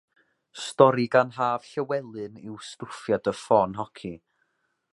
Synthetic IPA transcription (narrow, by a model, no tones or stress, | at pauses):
stɔɾiɡanɦaːv̥ɬəwɛlˠɨnɪwstʊrfjadəfɔnɦɔkʰi